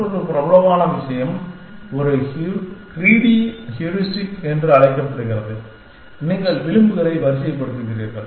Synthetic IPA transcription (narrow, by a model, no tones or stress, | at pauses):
ɔɾɯpɪɾɐbɐlɐʋaːnɐʋɪʂɐjɐm | ɔɾɐhkɾiːɽihjuɾɪsʈɪkɛndrɯɐɭɐɪkːɐpːɐɽɯɣɪɾɐðɯ | ɪnːɪŋɡɐɭʋɪlɯmbɯɣɐɾɐɪʋɐɾɪsɐjɐpːɐɽɯt̪ːɾɯkːɪɾɪɾɣɐ̰ɾ